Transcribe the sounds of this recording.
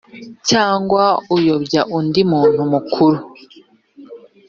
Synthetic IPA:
caːŋɡwaujobɟaʔundimuːn̥humukʰuɾu

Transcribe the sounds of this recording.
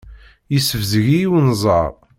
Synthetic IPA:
jisəvzɣijiwnzˤə̰ɾˤ

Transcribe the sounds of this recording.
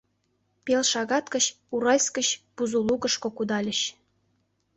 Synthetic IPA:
pʲelʃɑɣɑt̪kə̆ɕ | uɾɑlʲskə̆ɕb̥uzulˠukə̆ʃkokud̪ɑlʲə̆ɕ

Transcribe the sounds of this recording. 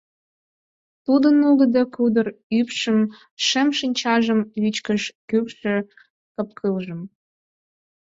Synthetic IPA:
t̪ud̪ənuɡə̆d̪əkud̪ərypʃəm | ʃĕmʃinʲt͡ɕɑʒəmit͡ɕkəʃkypʃĕ | kɤ̆p̚kʰɯlʒə̆m

